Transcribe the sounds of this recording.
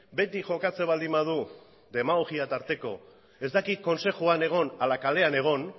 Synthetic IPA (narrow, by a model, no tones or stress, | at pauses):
be̞t̪iʝo̞kat͡se̞βald̪imað̞u | d̪e̞maɣoɣiat̪aɾt̪e̞ko̞̰ | e̞zd̪akit̪̚ko̞nse̞xuane̞ɣ̞o̞nalakale̞ane̞ɣ̞o̞n